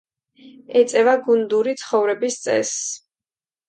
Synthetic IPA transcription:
ɛt̪sʼɛvaɡund̪uɾit̪sʰχɔvɾɛbist̪sʼɛ̰s

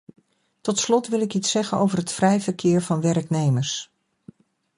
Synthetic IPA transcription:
tɔtslɔtʋɪlˠɪkitsɛχənowvəɹɦətfrɛjvəɹkɪːɹvɑnʋɛrknejməɹs

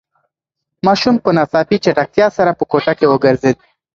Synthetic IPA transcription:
mɑʃumpənɑsɑpit͡ʃaʈak̚t̪jɑsaɾapəkoʈakewəɡəɾzed̪̚

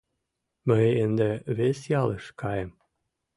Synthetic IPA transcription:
məjənd̪ĕβesjɑləʃkɑjəm

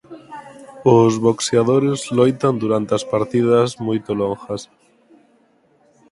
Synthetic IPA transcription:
ʊzβokseaðoɾezlojt̪and̪uɾant̪easpaɾt̪iðɐzmojt̪oloŋxɐs

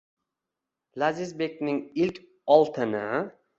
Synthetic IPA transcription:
lazɪzbekʲnɪŋilkʲ | ɒlˠt̪ʰɪnɪ

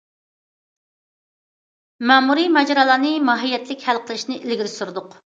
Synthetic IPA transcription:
mɛmuɾimɛd͡ʒɾɑːlˠɑːnɨmɑɦijːɛt̪lɪkʲhælqʰəlˠɨʃnɪʔilɡʲiɾɪsuɾd̪ʊq

